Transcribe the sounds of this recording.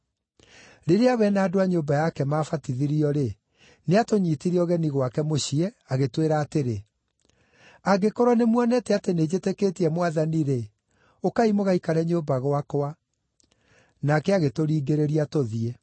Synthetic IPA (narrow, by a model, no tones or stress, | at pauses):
ɾeɾeaβɛnaːdoaɲoːbajakɛmaːfatiðiɾiɔɾe | neatoɲiːtiɾiɔɣɛniɣwakɛmoɕiɛ | aɣetweɾaːteɾe | aɡekɔɾwanemwanɛtɛatened͡ʑetekeːtiɛmwaðaniɾe | okaimoɣaikaɾɛɲombaɣwakoa | nakɛaɣetoɾiːɡeɾeɾiatoðie